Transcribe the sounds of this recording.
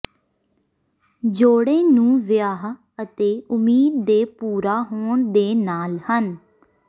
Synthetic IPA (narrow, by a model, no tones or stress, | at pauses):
d͡ʒoːɽeːnũːʋɪjaːɦ | ət̪eːʊmiːd̪̚ːeːpuːɾaːɦoːɳd̪eːnaːlhən